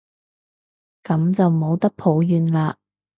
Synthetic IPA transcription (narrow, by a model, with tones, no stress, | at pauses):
kɐ˨˥mt͡sɐ˨wmo˨˧wt̪ɐ˥k̚pʰo˨˥wjyː˨nlaː˧